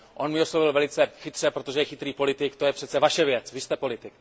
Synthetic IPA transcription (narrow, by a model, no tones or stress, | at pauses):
ʔonmɪo̞slovɪlvɛlɪt͡sɛxɪt̪r̥ɛpɾot̪o̞ʒɛjɛxɪt̪ɾiːpo̞lɪt̪ɪkt̪o̞jɛpr̥ɛt̪t͡sɛvaʃɛvjɛt͡svɪst̪ɛpo̞lɪt̪ɪk̚